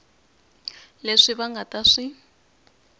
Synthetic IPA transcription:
leʂiβaŋɡʱataʂi

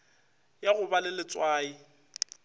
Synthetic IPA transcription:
jaɣʊbalɪlɪt͡sʼwaːi

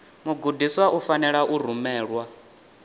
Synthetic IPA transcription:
muɡudiswaʔufanɛɺaʔuɾ̤umɛːɺwa

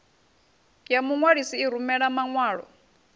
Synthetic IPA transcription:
jamuŋwaɺisiːɾumɛɺamaŋwaːɺɔ̰

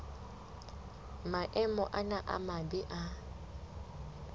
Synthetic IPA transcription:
maʔɛmɔʔanaʔa̰mabɪʔa

